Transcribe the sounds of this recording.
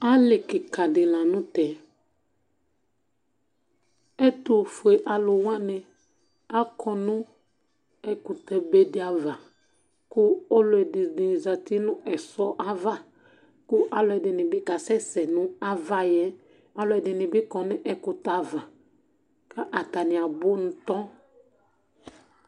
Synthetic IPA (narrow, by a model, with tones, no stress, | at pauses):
a˦lɪ˨kɪ˨ka˨dɪ˨la˨nʊ̃˦tɛ˨ | ɛ˦t̪ʊ˨fʊ˨e˨ʔa˨lʊ˨wã˦nɪ˨ | a˦kʰɔ˨nʊ̃˦ | ɛ˦kʊ˨t̪ɛ˨be˦dɪ˦a˨va˨ | kʊ˦o˦lʊ˨˦ɛ˨dɪ˨dɪ˨za˨t̪i˦nʊ̃˦ʔɛ˨sɔ˦ʔa˦va˦ | kʊ˦ʔa˨lʊ˨ɛ˨dɪ˨nɪ̃˨bɪ˦ka˨sɛ˦sɛ˨nʊ̃˦a˦va˦jɛ˦ | a˨lʊ˨ɛ˨dɪ˨nɪ̃˨bɪ˦kɔ˨nɪ̃˦ʔɛ˨kʊ˨t̪a˨va˨ | ka˦ʔa˨t̪a˨nɪ̃˨a˨bʊ˦nʊ̃˦t̪ɔ˦